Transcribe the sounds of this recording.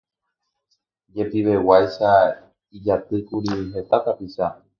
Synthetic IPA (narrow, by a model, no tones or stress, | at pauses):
d͡ʒe̞piʋe̞wajʃa | id͡ʒat̪ɨkuɾiɦe̞t̪akapiʃa